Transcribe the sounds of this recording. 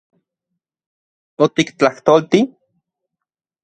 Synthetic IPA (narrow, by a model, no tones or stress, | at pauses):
ot̪ikt͡ɬaht̪oːlt̪i